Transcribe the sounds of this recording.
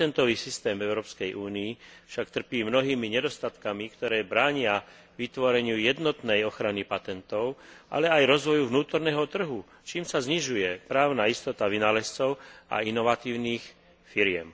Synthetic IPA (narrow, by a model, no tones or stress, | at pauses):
t̪ɛnt̪ɔʋiːsist̪ɛːmɛʊɾɔːpskɛjʔuːniːfʃakt̪r̩piːmnɔɦiːmiɲɛd̪ɔst̪at̪kamikt̪ɔɾɛːbɾaːɲɪa | ʋit̪ʋɔɾɛɲɪujɛd̪nɔt̪nɛjɔxɾanipat̪ɛnt̪ɔʊʔa̰lɛajɾɔzʋɔjuvnuːt̪ɔɾnɛːɦɔt̪r̩ɦu | t͡ʃiːmsazɲiʒujɛpɾaːʊnaːist̪ɔt̪aʋinalɛst͡sɔʊa̰inɔʋat̪iːʊniːx | fiɾɪɛ̰m